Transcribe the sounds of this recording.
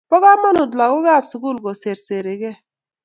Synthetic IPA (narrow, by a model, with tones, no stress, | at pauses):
pɔ˦ɡa˦mɔ˦nʊ˨dla˨kʊ˦ɡa˦˨bsu˨ku˦˨lɡo˨se˨ɾse˨ɾe˨ɡɛ˦